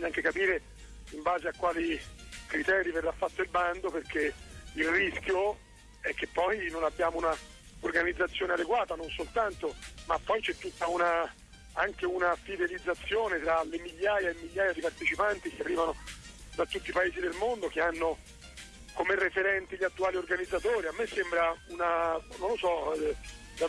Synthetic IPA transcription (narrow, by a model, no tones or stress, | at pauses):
ɲːaŋk̟ekapiːɾe | imbaːzeakwaːlikɾit̪ɛːɾiverːafːat̪ːoilband̪operk̟eilriskʲjo | ɛk̟ːepːɔjnonabːjaːmouna | orɡanid̪zːat̪sːjoːnead̪eɡwaːt̪anonsolt̪ant̪omapːɔjt͡ʃɛt̪ːut̪ːauna | aŋkeunafid̪elid̪zːat̪sːjoːnet̪ɾalemiʎːaːjaemːiʎːaːjad̪ipart̪et͡ʃipant̪ik̟earːiːvano | d̪at̪ːut̪ːipaeːzid̪elmond̪ok̟eanːo | komerːefeɾɛnt̪iʎiat̪ːuaːliorɡanid̪zːat̪oːɾiamːesːembɾaunanõnlosɔ | d̪a